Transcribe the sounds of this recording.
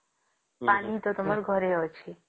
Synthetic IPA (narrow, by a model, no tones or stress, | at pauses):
panit̪ot̪ɔmaɾɡʱɔɾeɔt͡ʃʰe